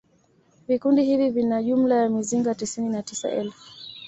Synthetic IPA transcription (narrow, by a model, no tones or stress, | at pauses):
vikundihivivinaʄum̩lajamiziŋɡatisininatisa̰ʔɛ̰lfu